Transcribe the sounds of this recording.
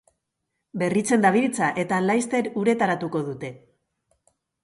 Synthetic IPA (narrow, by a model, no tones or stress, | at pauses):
be̞rit͡se̞nd̪aβiɾit͡saʔe̞t̪alajst̪e̞ɾuɾe̞t̪aɾat̪uko̞ðut̪e̞